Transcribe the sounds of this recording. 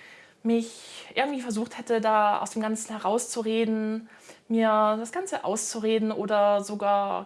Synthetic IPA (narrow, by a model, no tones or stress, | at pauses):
mɪçʔɪɐɡŋ̩tv̥iːfɛɐzuːχthɛtədaːa̰ʊsd̥eːmɡ̥ant͡sn̩hɛɐʁaʊst͡suʁeːdn̩ | miːɐd̥asɡ̥ant͡səʔa̰ʊst͡suʁeːdn̩ʔoːdɐzoɡaːɐ